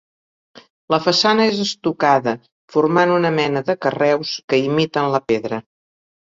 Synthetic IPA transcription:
ləfəsanəezəst̪ukaðə | furmanunəmɛnəðəkərɛwskəimit̪ənləpeðɾə

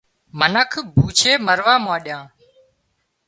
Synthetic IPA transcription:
mənəkʰbʱuːt͡ʃʰeːməɾʋaːmãːɗjãː

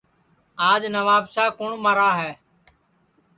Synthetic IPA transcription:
aːd͡ʒnəʋaːbsaːkʊɳmaːɾaːɦɛː

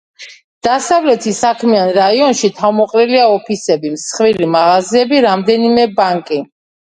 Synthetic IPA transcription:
d̪̥asavlɛt̪ʰisakʰmianɾaiɔnʃit̪ʰamɔqʼliliaɔpʰisɛbimsχvilimaʁaziɛbiɾamd̪ɛnimɛbaŋkʼi

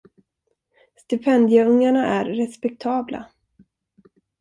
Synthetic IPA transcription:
st̪ɪpʰɛnd̪jəɵŋːaɳaʔæɾːɛspɛk̚t̪ʰɑːblʔa̰

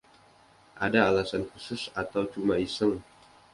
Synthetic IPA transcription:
ʔadaːlasankusʊsat̪awt͡ʃumaisəŋ

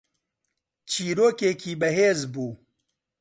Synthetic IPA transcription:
t͡ʃʰiːɾoːkeːkʰiːbɐɦeːzbuː

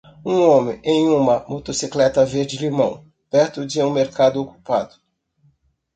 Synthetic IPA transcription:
ũõmẽʔẽj̃ũmɐmot̪osiklɛt̪ɐveɾd͡ʒɪlimɐ̃w̃ | pɛɾt̪ʊd͡ʒɪũmeɾkad̪ʊoku̥pa̰d̪ʊ

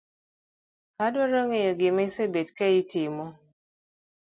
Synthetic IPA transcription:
kadwɔɾɔŋejɔɡɪmesebetkɛjitɪmɔ

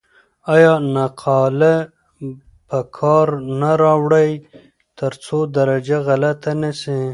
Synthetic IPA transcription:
ɑjɑnaqʰɑːla | pəkʰɑɾnaɾɑwɽaj | t̪əɾt͡sod̪aɾad͡ʒaɣalat̪anese

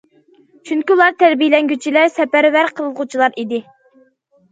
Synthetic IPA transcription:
t͡ʃʰyŋkʲiulˠɑɾt̪ʰæɾbijlɛŋɡʲyt͡ʃʰilæɾsɛpæɾvæɾqʰəlˠəlˠʁut͡ʃʰilˠɑɾid̪ɪ

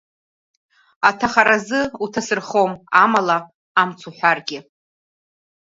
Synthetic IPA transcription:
atʰaχaɾazɨutʰasɨrχomamala | amt͡sʰuħʷarɡʲɪ

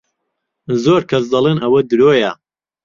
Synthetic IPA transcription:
zoːɾkʰɐs̬d̪ɐlˠenɐwɐd̪ɨɾoːjɐ

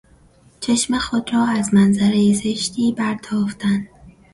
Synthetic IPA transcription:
t͡ʃʰeʃmexod̪rɒːæzmænzæɾejezeʃt̪ʰiːbæɾt̪ʰɒːft̪ʰænd̪̥

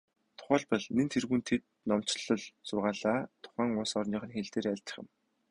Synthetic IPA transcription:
t̪ʰʊ̥χæːɮpɔɮnent̪ʰerɣuːnt̪ʰet̪̚ | nɔm̥t͡ɕɮɞ̆ɮsʊrʁaːɮaːt̪ʰʊ̥χæːŋʊsɔrniːχə̆nxeɮt̪eːɾæɮʲt͡ɕ̪ə̥̆χɪ̆m

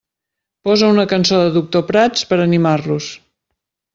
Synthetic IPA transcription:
pɔzəunəkənsoðəðuk̚t̪opɾat͡spəɾənimarlus

